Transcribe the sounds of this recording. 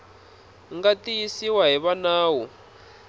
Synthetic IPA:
ŋɡatijisiwaɦiβanaːwɔ

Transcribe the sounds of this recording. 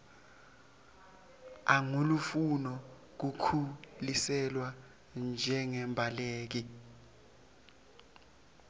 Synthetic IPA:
aŋulufunɔ | k̬ukʰulisɛlwa | nd͡ʒʱɛŋɛmbʱaleːk̬i

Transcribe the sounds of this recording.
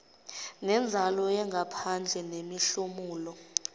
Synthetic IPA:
nɛnd͡zʱalɔjɛŋɡʱapʰand͡ɮʱɛnemiɬumuːlɔ

